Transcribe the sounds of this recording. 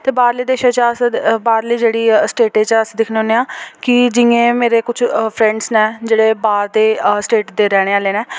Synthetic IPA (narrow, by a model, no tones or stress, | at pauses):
t̪eːbaːɾliːd̪eːʃãːt͡ʃəsbaːɾliːd͡ʒeːɽiːsʈeːʈeːt͡ʃəsd̪ɪkʰneoːneːaːkɪd͡ʒɪŋẽːmeːɾeːkʊt͡ʃʰpʰɾɛ̃ːɳɖsnɛːd͡ʒeːɽeːbaːɾd̪eːsʈeːʈd̪eːɾɛːɽ̃eːaːleːnɛː